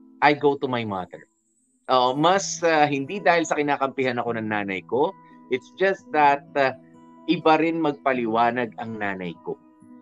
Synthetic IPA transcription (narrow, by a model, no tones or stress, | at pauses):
ʔajɡowt̪umajma̰d̪ɛ̰ɹ | ʔoʔomɐsaɦɪnd̪id̪aːhɪlsɐkɪnaːkɐmpɪɦanɐko̞nɐŋnaːnɐjko̞ | ʔɪt̪sd͡ʒɐst̪̚d̪ɐt̪̚ɐ | ʔɪbɐɾɪnmɐɡ̚pɐlɪwaːnɐɡɐŋnaːnɐjko̰